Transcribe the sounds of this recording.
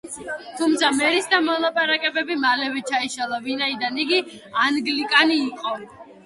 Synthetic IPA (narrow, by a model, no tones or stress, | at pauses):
t̪ʰumt̪sʰamɛɾisd̪amɔlˠapʼaɾakʼɛbɛbimalɛvɛt͡ʃʰaiʃalˠavinaid̪aniɡianɡlikʼaniːqʼɔ